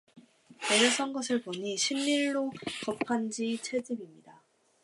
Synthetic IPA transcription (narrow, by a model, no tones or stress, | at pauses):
eɾʌs͈ʰʌnɡʌsʰɯɭpoɲiɕʰimːiɭːokʌpʰand͡ʑit͡ɕʰed͡ʑibimɲida